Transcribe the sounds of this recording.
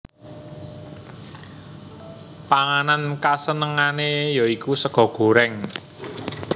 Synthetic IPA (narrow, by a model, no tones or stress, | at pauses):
paŋanankasənəŋanejɔikusəɡ̥ɔ̤ɡ̥o̤ɾɛŋ